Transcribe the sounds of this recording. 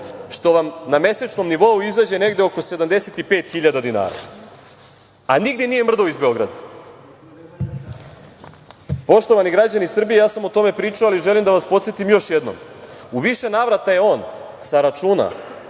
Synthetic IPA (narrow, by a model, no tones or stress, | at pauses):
ʃt̪o̞ʋamname̞set͡ʃno̞mniʋo̞uizad͡ʑe̞ne̞ɡd̪eo̞ko̞se̞d̪amd̪e̞set̪ipe̞ːt̪xiʎad̪ad̪ina̰ːɾa̰ | aniɡd̪je̞nije̞mr̩d̪oizbe̞o̞ɡɾad̪a | po̞ʃt̪oʋaniɡɾad͡ʑanisr̩bije̞jaːsamo̞t̪o̞me̞pɾiːt͡ʃualiʒe̞limd̪aʋaspo̞t̪set̪imjo̞ʃjed̪no̞̰muʋiʃe̞naʋɾat̪aje̞o̞ːn | saɾat͡ʃuːna̰